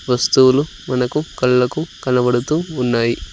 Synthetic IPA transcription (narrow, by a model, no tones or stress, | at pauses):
ʋɐst̪uwulu | mɐnɐkukɐɭːɐkukɐnɐbɐɽut̪uːnːaːji